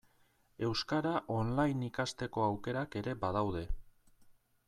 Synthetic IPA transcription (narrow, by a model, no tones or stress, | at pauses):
e̞wskaɾaʔo̞nlajnikast̪e̞ko̞awke̞ɾake̞ɾe̞bað̞awðe̞